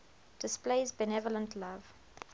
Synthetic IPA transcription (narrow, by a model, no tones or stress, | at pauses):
d̥ɪspleɪzbɛnɛvɔlə̃ntʰlav